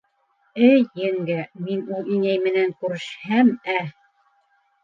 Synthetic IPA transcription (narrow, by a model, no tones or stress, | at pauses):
ɘjːɘŋɡæminulˠiŋæjmɘ̆næŋkʉɾɘ̆ʃhæmæ